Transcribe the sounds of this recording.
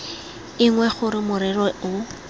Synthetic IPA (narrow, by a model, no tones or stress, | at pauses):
ɪŋwɛχʊɾɪmʊɾɛrɔʊ